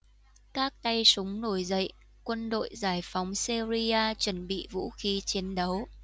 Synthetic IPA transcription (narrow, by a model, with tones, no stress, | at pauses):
kaː˦˥k̚t̪a˧jsʊ˨˦ŋ͡mno˧˩jzə̰˧˨j | kwə˧nɗo̰˧˨jzaː˧˩jfa˨˦wŋ͡msi˧zi˧aː˧t͡ɕwə˧˩nɓḭ˧˨vṵ˧˥xi˨˦t͡ɕi˨˦ənɗə˨˦w